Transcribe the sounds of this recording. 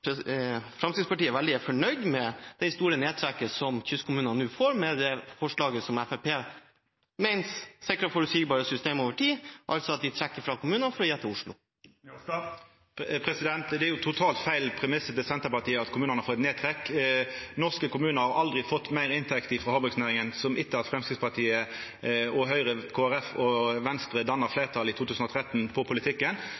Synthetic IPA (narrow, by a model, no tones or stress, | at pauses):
pfɾɑmsid̪spɑʈiːəʋæld̪ɪæfɔɳœʏd̪mɛd̪̥ɛɪst̪uːɾəneːd̪t̪ʰɾɛkːəsɔmçʏskʰʊmʉːnnnʉːfoːɾmɛd̪ɛfɔʂɭɑːɡəsɔmæfæpʰeː | mɛɪnssɪkɾəfɔɾʉsiːɡbɑːɾəsʏst̪eːmoːʋəʈʰiːʔɑlt̪sɔɑt̪̚d̪ɪt̪ʰɾɛkːəɾfɾɑkʰʊmʉːnɑnfɔɾɔjɛt̪ʰːəʊʂɭʊ̰ | pʰʁɛsɪd̪ɛnt̪d̪ɛæɾjʊt̪ʰʊt̪ʰɑːlt̪fæɪlpʰʁɛmɪsːət̪ɛsɛnt̪əʁpɑʁt̪iːəɑt̪kʰʊmʉːnənhɑfɔːɛt̪neːt̪ʰʁɛkː | nɔʁskəkʊmʉːnəɾhɑʔɑld̪ʁɪfɔt̪ːmæɪʁɪnt̪ʰɛkt̪ɪfɾɑhɑbɔsnæːʁɪŋənsɔmʔɪt̪ːəɑt̪fʁɛmskɾɪd̪spɑʁʈ̪ʰiːə | ɔɦœʏʁəkʰoːæʁɛfɔʋɛnst̪ʁəd̪ɑnːəʁfleːʁt̪ʰɑːlit̪ʰuːt̪ʰʉːsn̩ɔt̪ʰʁɛt̪npʰɔpʰʊlɪt̪ʰɪkːən